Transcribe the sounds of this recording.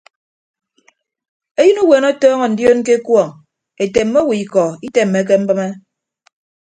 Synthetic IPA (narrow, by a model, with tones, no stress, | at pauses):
e˦jɨ˦nu˦we˨nɔ˦tɔː˦ŋɔ˨n̩˨djo˦n˦ke˦kwɔ˨ŋ | e˨te˨m̩ː˦o˦wi˨i˨kɔ˨i˦te˨m̩ː˨e˨˦k̬e˦m̩˦bɨ˦me˦